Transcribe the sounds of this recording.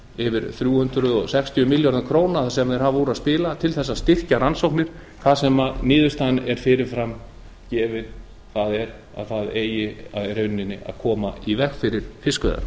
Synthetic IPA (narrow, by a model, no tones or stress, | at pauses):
ɪvɪɾθɾjuːhʏnt̪ɾʏðɔɣsɛkst̪ʰjʏmɪljɔɾðankʰɾoːwnasɛmðɛɾ̥ɦavuːɾaðspɪːlat̪ʰɪlθɛsːast̪ɪr̥caɾansowknɪɾ̥ | kʰvaðsɛmanɪːðʏst̪anɛɾ̥fɪɾɪɾ̥fɾam | cɛːvɪɾ | θaðɛɾ | a̰ðθaðeːjɪaɾœɥnːɪnːɪʔa̰ðkʰɔːmaivɛxfɪɾɪɾ̥fɪskvœ̰ða̰ɾ